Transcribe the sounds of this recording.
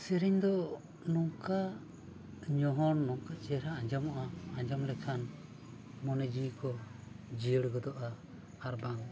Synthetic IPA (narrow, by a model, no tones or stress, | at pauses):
sɛɾiɲd̪ɔ | nɔŋka | ɲɔɦɔnnɔŋkat͡ʃɛɾaaɲd͡ʒɔmaʔaːɲd͡ʒɔmɾɛkʰan | mɔnɛd͡ʒikɔ | d͡ʒiəɽɡɔd̪ɔʔa | aɾbaŋ